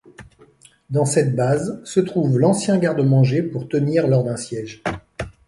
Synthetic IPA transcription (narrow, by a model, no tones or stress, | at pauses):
d̪ɑ̃sɛt̪̚bazsət̪χuvlɑ̃sjɛ̃ɡaʁd̪əmɑ̃ʒepuʁt̪əniʁlɔʁd̪ɛ̃sjɛʒ